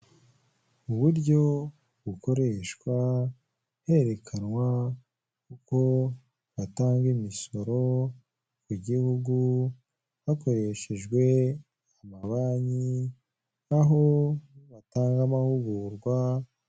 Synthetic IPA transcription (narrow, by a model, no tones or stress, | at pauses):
uβuɾɟo̞ | βuko̞ɾe̞ʃkwa | he̞ɾe̞kʰanwa | kuko̞ | βataːŋɡimiso̞ɾo̞ | kuɟihuɡu | βako̞ɾe̞ʃeʒɡwe̞ | amaβaɲi | aɦo̞βataːŋɡamahuɡuːɾɡwa